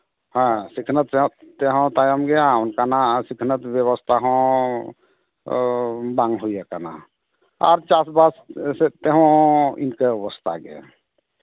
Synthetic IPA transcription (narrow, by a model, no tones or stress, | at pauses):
hə̃sikʰnət̪ẽt̪eɦt̪ajəmɡeãunkanasikʰnət̪bjəβəst̪ʰaɦɔ̃ | baŋɡɦojɛkana̰ | a̰ɾt͡ʃasbasset̪eɦõḭnkeɔbəst̪ʰa̰ɡḛ